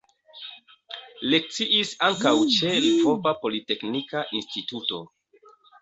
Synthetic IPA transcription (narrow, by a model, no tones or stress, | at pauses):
le̞k̚t͡siʔisaŋkawt͡ʃe̞lfopapo̞lite̞knikaʔinstituto̞̰